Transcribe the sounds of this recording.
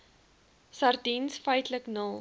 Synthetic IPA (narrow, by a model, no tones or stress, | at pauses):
sɑrdinsfœjtləknəlˠ